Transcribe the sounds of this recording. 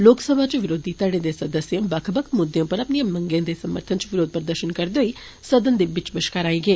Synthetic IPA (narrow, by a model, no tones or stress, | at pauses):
loːksəbʱaːt͡ʃʋɪɾoːd̪iːt̪əɽẽːd̪eːsəd̪əsjãːbəkʰbəkʰmʊd̪jõːpəɾəpnijãmə̃ŋɡẽːd̪eːsəmə̰ɾt̪ʰənt͡ʃʋɪɾoːd̪̚pəɾd̪əɾʃənkəɾd̪eoiː | səd̪ənd̪eːbɪt͡ʃbəʃkaːɾaːiːɡeː